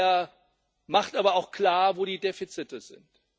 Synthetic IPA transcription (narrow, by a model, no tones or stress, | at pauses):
ɐ | maχtʔaːbɐaʊxkl̥aːɐvoːɾiːdeːfit͡sɪtəzɪ̰nt